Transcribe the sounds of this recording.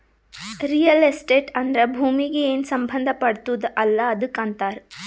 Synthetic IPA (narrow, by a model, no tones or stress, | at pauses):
ɾijɐlesʈeːʈɐnd̪ɾɐbʱuːmiɡeeːnsɐmbɐnd̪ʱɐpɐɽt̪ud̪ɐlːɐɐd̪ɨkːɐnt̪aːɾ